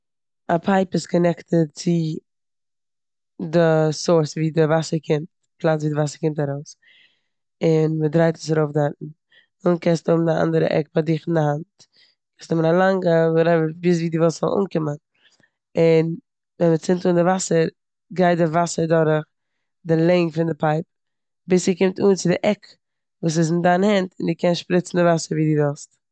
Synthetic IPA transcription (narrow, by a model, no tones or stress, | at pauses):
apʰaɪpɪskɔnɛktət͡sɪ | dɪsoɾsviːdəvasəɾkʰɪmt | plˠat͡sviːdɪvasəɾkɪmtaɾoʊs | ɪnmədɾaɪtʰə̥s̬aɾoʊfdatn̩ | unkɛstʊbm̩dɪa̰ndəɾə̰ʔɛ̰k̚badɪχɪndɪhant | kʰɛstʊmənalˠaŋɡəʊɾɛvəbɪs̬viːdɪvɛlˠstz̥ɔ̰lˠʔṵːnkɪmən | ɪn | vɛnmət͡sɪntuːndɪvasəɾ | ɡaɪt̚dɪvasəɾdɔɾəχ | dɪlˠɛɪŋfɪndɪpʰaɪp̚ | bɪsikɪmtuːnt͡sɪdɪʔɛk | vuːs̬ɪs̬ɪndanhɛntɪndɪkɛnsʃpɾɪt͡sn̩dɪvasəɾviːdɪvɛlˠst